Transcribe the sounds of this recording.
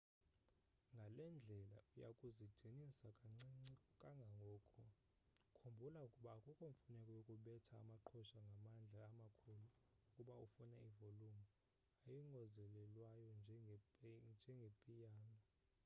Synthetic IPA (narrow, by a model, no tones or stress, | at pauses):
ŋɡʱalɛnd͡ɮʱɛla̰ujakʼuziɡ͡ǀ̥ʱinisakʼaŋ͡ǀkʼaŋɡʱaŋɡʱɔːkʰɔ | kʰombʱulaukʼuɓaːkʼukʼuɱfunɛkʼɔjokʼuɓɛtʰa̰ːmaǃʰɔʃaŋɡʱamand͡ɮʱaːmakʰuluukʼuɓaufunaivolumu | ajiŋɡʱɔzɛlɛlwajɔnd͡ʒʱɛ | nd͡ʒʱɛŋɡʱepʼijaːnɔ